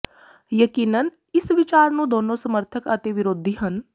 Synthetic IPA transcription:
jəkiːnən | ɪsʋɪt͡ʃaːɾnũd̪oːnõsɐməɾt̪ʰəkɐt̪eʋɪɾoːd̪ʱiɦɐn

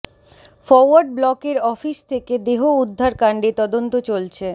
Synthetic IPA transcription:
fɔɾwaɾɖ̚blɔkeɾɔfist̪ʰeked̪eɦoud̪ʱːaɾkaɳɖet̪ɔd̪ont̪ot͡ɕolt͡ɕʰe

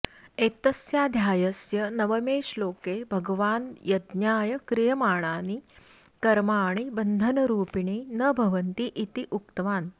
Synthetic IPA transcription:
et̪əsjaːd̪ʱjaːjəsjənəʋəmeːʂloːkebʱɐɡʋaːnjɐd̪njaːjəkɾijɐmaːɳ̃aːni | kɐɾmaːɽ̃ibənd̪ʱənɐɾuːpiɳiːnəbʱɐʋənt̪iʔːt̪iʔukt̪ʋaːn

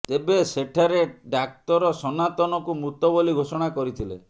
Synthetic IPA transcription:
t̪ebeseʈʰaɾeɖak̚t̪ɔɾɔsɔnat̪ɔnɔkumut̪ɔboliɡʱosɔɽ̃akɔɾit̪ʰilḛ

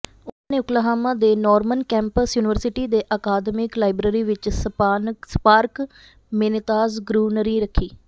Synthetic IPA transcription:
ʊnãːneːʊklaːɦaːmãːd̪eːnɔːɾmənkɛ̃ːmpəsjuːnɪʋəɾsɪʈiːd̪eːʔaːkaːd̪mɪklaːɪbɾəːɾiːʋɪt͡ʃsspaːɾk | mɪnɪt̪aːzɡɾuːnəɾiːɾəkʰːiː

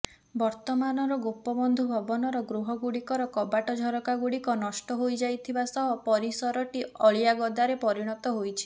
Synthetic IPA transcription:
bɔɾt̪ɔmanɔɾɔɡopɔbɔnd̪ʱubʱɔbɔnɔɾɔɡɾuɦɔɡuɽikɔɾɔkɔbaʈɔd͡ʒʱɔɾɔkaɡuɽikɔnɔʃʈɔɦojd͡ʒajt̪ʰibasɔɦɔpɔɾisɔɾɔʈiɔɭijaɡɔd̪aɾepɔɾiɽ̃ɔt̪ɔɦojt͡ʃʰi̥

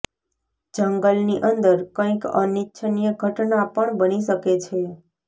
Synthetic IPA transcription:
d͡ʒəŋɡəlniʔənd̪əɾkə̃ĩkənitːʃʰənijəɡʱəʈnapəɳbəniʃəket͡ʃʰe

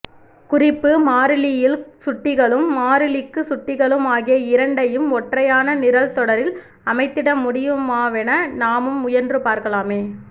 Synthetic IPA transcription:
kʊrɪpːɯmaːɾɪlɪjɪlsʊʈːɪɣɐɭɯmːaːɾɪlɪkːɯsʊʈːɪɣɐɭɯmaːɣɪjɐɪɾɐɳɖɐjɯmɔʈrɐjaːnɐnɪɾɐlt̪ɔɽɐɾɪl | ɐmɐɪt̪ːɪɽɐmːʊɽɪjɯmaːʋɛnɐnaːmɯmʊjɐɾndrɯpaːɾkɐɭaːmeː

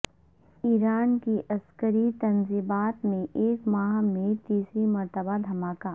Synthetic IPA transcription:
iːɾaːnkiʔɐskəɾit̪ɐnziːbaːt̪mẽʔeːkmaːmẽt̪iːsɾimɐɾt̪əbad̪ʱɐmaːkaː

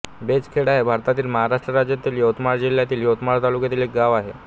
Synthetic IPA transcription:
bet͡skʰeɽaɦebʱaɾt̪at̪iːlməɦaɾaʂʈɾəɾad͡ʑjat̪iːljowt̪maɾd͡ʑiljat̪iːljot̪maɾt̪alukjat̪iːlek̚ɡaʋaɦe

